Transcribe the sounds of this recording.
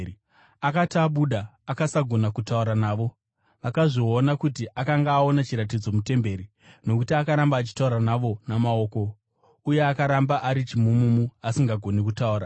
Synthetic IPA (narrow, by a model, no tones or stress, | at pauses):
akatiaɓuɗaːkasaɡʱo̞nakutauɾanaːʋo̞ | ʋakaʐionakutiʔakaŋɡaːo̞nat͡ʃiɾatid͡zo̞mute̞mbe̞ɾi | no̞kutiakaɾambaːt͡ʃi̥tauɾanaʋo̞namao̞ːko̞ | uje̞akaɾambaʔaɾit͡ʃimumumuasiŋɡaɡʱo̞nekutauːɾa